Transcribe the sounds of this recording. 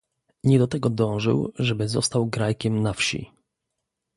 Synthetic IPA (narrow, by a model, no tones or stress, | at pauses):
ɲɛd̪ɔt̪ɛɡɔd̪ɔ̃w̃ʐɘ̰wʐɛbɘzɔst̪awɡɾajkʲɛmnafɕḭ